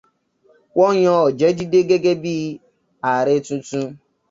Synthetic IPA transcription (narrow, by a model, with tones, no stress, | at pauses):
kʷɔ˦ɲɔ˦ɔ˨d͡ʒe˦d͡ʒi˦de˦ɡe˦ɡe˦biː˦ | a˨ɾɪ˦tu˦tu˦